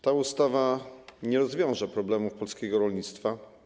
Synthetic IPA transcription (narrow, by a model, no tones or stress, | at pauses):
t̪aust̪avaɲɛɾɔzvʲjɔ̃w̃ʐapɾɔblɛmufpɔlskʲɛɡɔɾɔlɲit̪st̪fa